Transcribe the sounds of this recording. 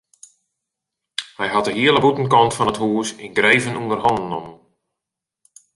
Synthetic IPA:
hɛjɦatəɦiələbutən̩kɔntfɔnəthuːsɪnɡrejvənundərɦɔnənɔmn

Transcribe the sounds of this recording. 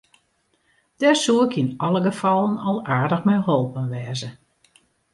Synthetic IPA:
d̥ɛsuəkɪnɔlˠəɡəfɑlˠənɔlˠaːɹdəxmɛjɦolˠpənʋɛːzə

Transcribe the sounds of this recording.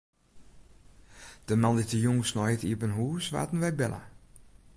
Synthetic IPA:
d̥əmanditəjuŋsnɔjətiəpənɦuːsʋa̰ːtən̩ʋɛbɛla̰

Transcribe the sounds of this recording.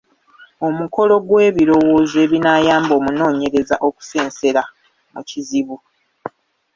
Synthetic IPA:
o̞muko̞lo̞ɡwe̞ːβiɾo̞wo̞ːze̞ːβinaːjaːmbo̞ːmuno̞ːɲe̞ɾe̞zaʔo̞ku̥se̞ːnse̞ɾa | mṵciziβu

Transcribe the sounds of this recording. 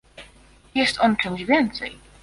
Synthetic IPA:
jɛst̪ɔnt͡ʂɛ̃wʑvʲjɛnt̪sɛ̰j

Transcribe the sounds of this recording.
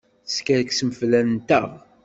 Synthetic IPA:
θskæɾksəməflænt̪ə̰ʁ

